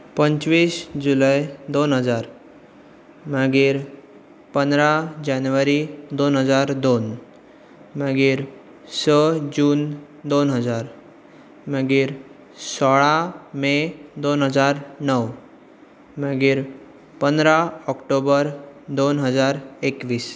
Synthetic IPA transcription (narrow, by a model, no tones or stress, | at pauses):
pəɲt͡ɕʋiːsd͡ʑulajd̪onɦəd͡zaɾ | məɡiːɾ | pənd̪ɾad͡ʑanʋəɾid̪onɦəd͡zaɾd̪on | məɡiːɾ | səd͡ʑuːn | d̪onɦəd͡zaɾ | məɡiːɾ | sɔɭamed̪onɦəd͡zaɾnəʋ | məɡiːɾ | pənd̪ɾaɔkʈobəɾd̪onɦəd͡zaɾekʋiːs